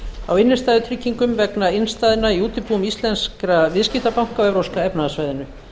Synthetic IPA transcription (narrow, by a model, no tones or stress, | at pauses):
a̰wɪnːɪ̥st̪aːðʏt̪ʰɾicːiŋkʏmvɛknaɪnst̪aːðɪnːaiuːt̪ɪpuːʏmist̪lɛnskɾavɪðscɪht̪apawŋ̥kawɛvɾowskaɛpnaðasvaːjðɪnʏ